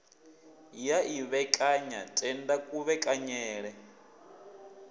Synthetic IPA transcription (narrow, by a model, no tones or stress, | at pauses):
jaʔiβɛkʼaɲa̰tʼɛndakʼuβɛkʼaɲɛːɺɛ